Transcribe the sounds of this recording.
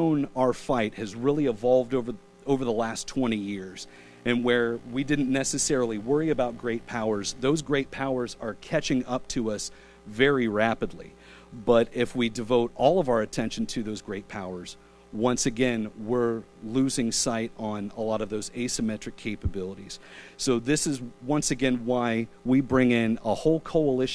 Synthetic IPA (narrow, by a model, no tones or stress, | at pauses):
ʊ̃naʊə˞faɪt̚hɨzɹɪlˠiɨvɑlˠvdoʊvə˞ | oʊvə˞ðəlæstʰw̥ɛ̃ɾ̃ijɪɹz̥ | ɨ̃nwə˞widɪdⁿn̩nɛsɨsɛɹl̩ˠiwɜ˞iɨbaʊt̚ɡ̥ɹeɪt̚pʰaʊə˞zðoʊzɡɹeɪt̚pʰaʊə˞zə˞kʰæt͡ʃɪ̃ŋʌp̚tʰɨʌs | vɛɹiɹæpɨdˡlḭ | bʌɾɪfwidɨvoʊɾɔlˠʌvaʊə˞ɨtʰɛ̃nʃn̩tʰɨðoʊzɡɹeɪt̚pʰaʊə˞z̥ | wʌ̃nsɨɡɛ̃nwɪɹlʉzɪ̃ŋsaɪɾn̩əlɔɾʌvðoʊzeɪsɨmɛt͡ʃɹ̥ɨkʰeɪpɨbɪlˠəɾiz̥soʊðɪsɨzwʌ̃nsɨɡɛ̃nwaɪ | wibɹɪ̃ŋɪ̃nəhoʊlˠkʰoʊəlɪʃ